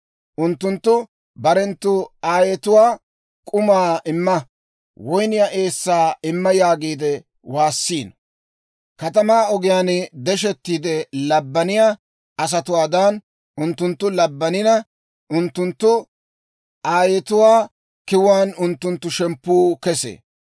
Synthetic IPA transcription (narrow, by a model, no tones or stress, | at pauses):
ʔʊnt̪ːʊnt̪ːʊ | bɐɾɛnt̪ːʊaːjɛt̪ʊwaː | kʼʊmaːʔɪmːɐ | wɔjnɪjaʔeːsːaːɪmːɐjaːɡiːd̪ɛ | waːsːiːn | kɐt̪̬ɐmaːɔɡɪjaːnd̪ɛʃ̬ɛt̪ːiːd̪ɛlɐbːɐnɪjaː | ɐs̬ɐt̪ʊwaːd̪aːn | ʊnt̪ːʊnt̪ːʊlɐbːɐnɪnɐ | ʔʊnt̪ːʊnt̪ːʊ | ʔaːjɛt̪ʊwaː | kɪwwaːnʊnt̪ːʊnt̪ːʊʃɛmpːuːkɛsḛː